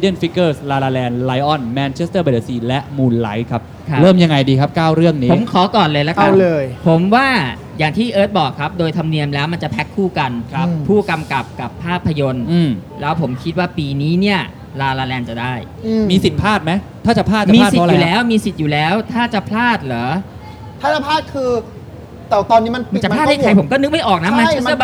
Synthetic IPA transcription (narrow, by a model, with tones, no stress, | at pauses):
di˥ə˨nfi˦˥kːɤː˥˩slaː˧laː˧lɛː˧nla˦˥jʔɔ˥˩nmɛː˧nt͡ɕʰe˦˥st̪ɤː˥˩be˨˩de˧siː˧lɛ˦˥ʔmuː˧nla˦˥jkʰa˦˥p̚ʰa˦˥ɾɤː˥˩mja˧ŋa˧jdiː˧kʰa˦˥p̚kaː˥˩wɾɯ˥˩əŋniː˦pʰo˩˦mkʰɔː˩˦kɔː˨˩nlɤː˧jla˦˥kʰa˦˧˥lɤː˧jpʰo˩˦mwaː˥˩ | jaː˨˩ŋt̪ʰiː˥˩ʔɤː˦˥t̪̚bɔː˨˩kʰːa˦˥p̚doː˧jt̪ʰa˧mni˧əmlɛː˦˥wma˧nt͡ɕa˨˩pʰɛ˦˥kʰːuː˥˩ka˧nkʰa˦pʰuː˥˩ka˧mka˨˩p̚ka˨˩pʰːaː˥˩pʰːa˧jo˧nʔɯː˧˩mlɛː˦˥wpʰo˩˦mkʰi˦t̪̚waː˥˩piː˧niː˦˥ni˥˩ɐ | laː˧laː˧lɛː˧nt͡ɕa˨˩daː˥˩j | miː˧si˨˩t̪̚pʰaː˥˩t̪̚ma˦˥jt̪ʰaː˥˩t͡ɕa˨˩pʰlaː˥˩t̚t͡ɕmiː˧˥˩siː˨˧˨lɛː˦˥wmiː˧si˨˩t̪̚juː˨˩lɛː˦˥wt̪ʰaː˥˩t͡ɕa˨˩pʰlaː˥˩t̪̚lœː˩˦ | t̪ʰaː˥˩a˧˩pʰaː˥˩t̪̚kʰɯː˧ | t̪ɛː˨˩t̪ɔː˧niː˦˥ma˧na˧˨˩t͡ɕa˨˩˧a˥t̪ha˥˩kʰa˧jpʰo˩˦mkɔː˥˩nɯ˦˥k̚ma˥˩jʔɔː˨˩k̚na˦˥maː˧˥˦